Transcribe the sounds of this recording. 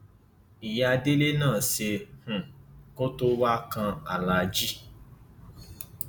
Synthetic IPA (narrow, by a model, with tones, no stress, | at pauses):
i˨ja˧de˦le˦nãː˦˨se˧hũ˨ko˦to˦wa˦kã˧a˨la˨˧d͡ʒi˦